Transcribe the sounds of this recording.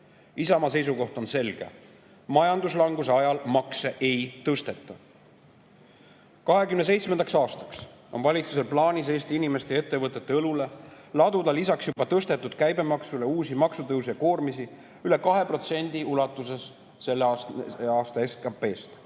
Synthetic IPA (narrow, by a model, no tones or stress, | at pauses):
isɑmɑse̞js̬uko̞ht̪o̞nse̞lɡ̥e̞̰ | mɑjɑnd̪us̬lɑŋɡ̥us̬e̞ɑjɑlmɑkseʔejt̪ɤst̪e̞t̪ːˑɑ | kɑɦe̞kymne̞s̬ejt̪smend̪̥ɑksɑːst̪ɑ̥ks | o̞nvɑlʲit̪suse̞lplɑːnʲis̬e̞ːst̪iinime̞st̪e̞e̞t̪ːe̞vɤt̪ːˑe̞t̪ːeɤlule̞lɑd̪̥ud̪ɑlisɑksjub̥ɑt̪ɤst̪e̞t̪ːˑud̪̥kæjbe̞mɑksule̞uːsimɑksut̪ɤwsijɑko̞ːrmisi | yle̞kɑɦe̞pro̞t̪se̞nʲd̪̥iulɑt̪ːˑuse̞sː | e̞lːɑːst̪ɑeskɑpːe̞ːst̪